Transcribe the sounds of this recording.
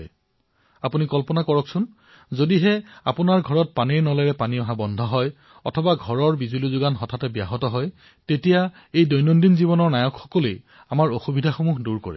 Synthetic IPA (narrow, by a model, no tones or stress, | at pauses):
j | apunikɔlpɔnakɔɹɔksʊn | zodiɦɛapunaɹɡʱɔɹɔt̚paniɹnɔlɛɹɛpaniɔɦabɔndʱɔɦɔj | ɔ̰tʰɔbaɡʱɔɹɔɹbizulizʊɡanɦɔtʰatɛbjaɦɔtɔɦɔj | tetija | ejdɔjnɔndinzibɔnɔɹnajɔkxɔ̥kɔlej | amaɹoxubidʱaxomuɦduɹko̰ɹɛ̰